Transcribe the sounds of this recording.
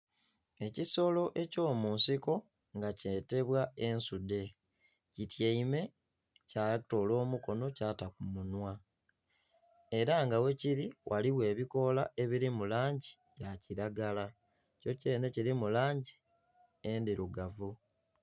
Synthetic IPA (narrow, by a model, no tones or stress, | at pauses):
e̞ciso̞lo̞ʔe̞co̞ːmuːnsiko̞ | ŋɡaceːte̞βwae̞nsude̞ | citjeime̞ | cato̞lo̞ːmuko̞no̞caːtakumunwa | e̞ɾaŋɡawe̞ciɾiwʔaliwe̞ːβiko̞lae̞βiɾimulaːɲɟi̥ | jaciɾaɡala | co̞ce̞ːne̞ciɾimulaːɲɟi | endiɾuɡavu